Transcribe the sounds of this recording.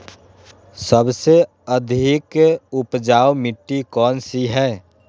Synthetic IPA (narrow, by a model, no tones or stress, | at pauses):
səbse | əd̪ʱɪkʊpd͡ʒaːwmɪʈːikɔːnsiɦɛː